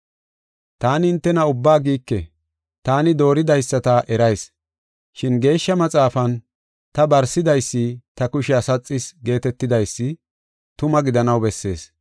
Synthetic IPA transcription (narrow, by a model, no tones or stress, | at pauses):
t̪aːnɪɪnt̪ːɛnɐʊbːaːɡiːkːɛ | t̪aːnɪd̪o̞ːɾɪd̪ɐjsːɐt̪ɐʔɛɾɐjs | ʃɪnɡe̞ːʃːɐmɐt͡sʼaːfɐn | t̪ɐbɐɾsɪd̪ɐjsːɪt̪ɐkʊʃɪɐsɐt͡sʼːɪsɡe̞ːt̪ɛt̪ːɪd̪ɐjsːɪ | t̪ʊmɐɡɪd̪ɐnɐwbɛsːe̞̰ːs